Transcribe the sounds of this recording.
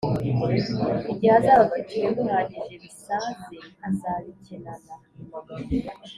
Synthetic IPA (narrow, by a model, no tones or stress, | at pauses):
iɟihazaβaβaciɾeβunaːɲiʒe̞βisaːnzeazaɾicenana